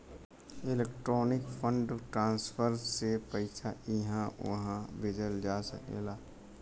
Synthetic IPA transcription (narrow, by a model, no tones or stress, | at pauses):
ɪleːk̚ʈɾɔːnɪkpʰə̃ɳɖʈɾãːnspʰəɾsepəɪsʰaʔɪɦãʋɐ̰ɦãbɪd͡ʒəld͡ʒaːsə̰kḛlaː